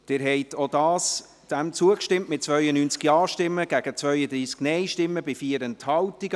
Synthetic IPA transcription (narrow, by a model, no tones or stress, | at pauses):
d̥ɪɾɦɛɪtʰodɑːs | d̥ɛmt͡suəkʃtɪmtmɪt̚t͡svœʏənyːnt͡skjɑːʃtɪmːəɡ̥æɡ̥ət͡svœʏəd̪ɾiːsknɛɪʃtɪmːəbɪfiəɾənthɑltiɡ